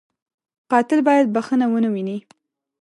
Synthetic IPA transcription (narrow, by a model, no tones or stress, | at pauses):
qɑt̪ɪlbɑjad̪̚baxənawənəwini